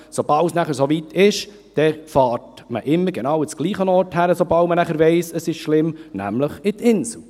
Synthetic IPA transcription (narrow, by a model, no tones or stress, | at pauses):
sobɑlsnæχəɾsovit̪ʰɪʃ | d̥ɛfɑːɾt | mə̰ʔɪmːəɾɡ̥enɑwət͡sɡ̥liːχənɔːɾthæɾəsobɑltmənæχəɾvɛɪsəsɪʃʃlɪmnæ̰mləχɪt̪ɪnsl̩